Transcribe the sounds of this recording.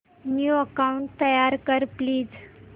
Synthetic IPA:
njuəkauɳʈ̚t̪əjaɾkəɾpliːd͡z

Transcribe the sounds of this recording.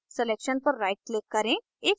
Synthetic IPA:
seleːkʃənpəɾːaɪʈ̚kleːkːɐɾẽ | eːk

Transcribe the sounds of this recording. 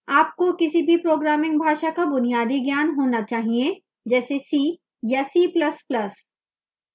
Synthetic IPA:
aːp̚kokɪsibʱipɾoːɡɾaːmɪ̃ŋɡbʱaːʃakabʊnijaːd̪iɡjaːnɦoːnat͡ʃaːɦie | d͡ʒɛːsesiː | jasiːplɐsplɐs

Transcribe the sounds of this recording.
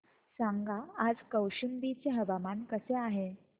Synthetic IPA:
sãŋɡaad͡zkəwɕimbit͡seɦəʋamankəseaɦe

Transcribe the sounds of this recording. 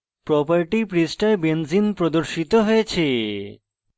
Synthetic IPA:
pɾɔpaɾʈipɾisʈaebenzinpɾod̪oɾʃit̪oɦojet͡ɕʰe

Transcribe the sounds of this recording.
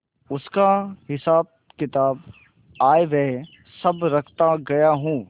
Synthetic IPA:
ʊskaɦɪsaːb̚ | kɪt̪aːb | aːeʋɛ̃ː | sɐbɾɐkʰt̪aɡɐjaɦũː

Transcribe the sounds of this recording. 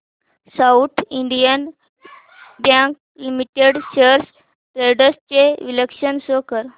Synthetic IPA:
saut̪ʰiɳɖijən | bjãŋk̚ | limiʈeɖɕəɾs | ʈɾeɖəst͡ɕeʋiləkʂənsokəɾ

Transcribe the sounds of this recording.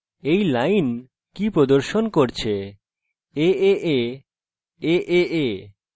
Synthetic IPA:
ejlajn | kipɾod̪oɾʃonkoɾt͡ɕʰe | eeʔe | eʔeʔe

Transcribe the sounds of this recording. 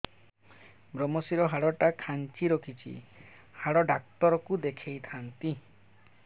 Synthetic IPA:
bɾɔmɔsiɾɔɦaɽɔʈakʰant͡ʃiɾokʰit͡ʃʰḭ | haɽɔɖak̚t̪ɔɾɔkud̪ekʰejt̪ʰant̪i

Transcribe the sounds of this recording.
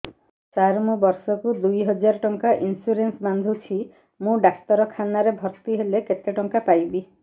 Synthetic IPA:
t͡ʃaɾmũbɔɾsɔkud̪ujɦɔd͡ʒaɾɔʈɔŋkaʔinsuɾensband̪ʱut͡ʃʰi | mũɖakt̪ɔɾɔkʰanaɾebʱɔɾt̪iɦeleket̪eʈɔŋkapajbi

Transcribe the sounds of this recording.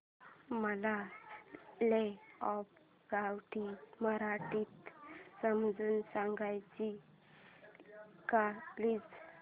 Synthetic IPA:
məla | leɔp̚ | ɡawʈiməɾaʈiːt̪səmd͡zuːnsãŋɡajt͡ɕi | kapliːd͡z

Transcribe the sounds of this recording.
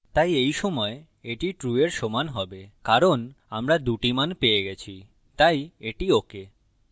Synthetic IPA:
t̪ajejʃɔmɔe | eʈiʈɾueɾʃomanɦɔbekaɾon | amɾad̪uʈimanpeeɡɛt͡ɕʰi | t̪ajeʈioke

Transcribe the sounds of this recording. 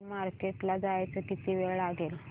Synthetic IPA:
maɾkeʈlad͡zajt͡səkit̪iʋeɭɭaɡel

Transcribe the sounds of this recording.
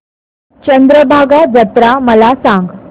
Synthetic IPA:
t͡ɕənd̪ɾəbʱaɡad͡zət̪ɾaməlasãŋɡ

